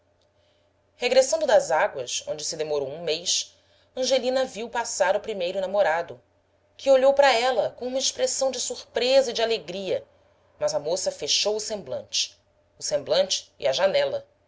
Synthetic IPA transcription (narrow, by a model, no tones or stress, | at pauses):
heɡɾesɐ̃nd̪ʊd̪ɐzaɡwɐsõnd͡ʒɪsɪd̪emoɾowũmejʃ | ɐ̃ʒelĩnɐviwpasaɾupɾimejɾʊnamoɾad̪ʊ | kɪoʎowpɾɐɛlɐkõũmɐiʃpɾesɐ̃w̃d͡ʒɪsuɾpɾezɐid͡ʒaleɡɾiɐ | mɐzɐmosɐfeʃowʊsẽmblɐ̰̃nt͡ʃɪ̥ | ʊsẽmblɐ̃nt͡ʃɪ̥̰ːɐʒanɛlɐ